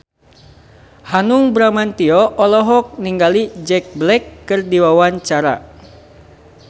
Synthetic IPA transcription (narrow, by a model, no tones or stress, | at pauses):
hanuŋbɾamant̪iɔʔɔlɔɦɔk̚niŋɡalid͡ʒɛk̚blɛkːɨrdiwawaɲt͡ʃaɾa̰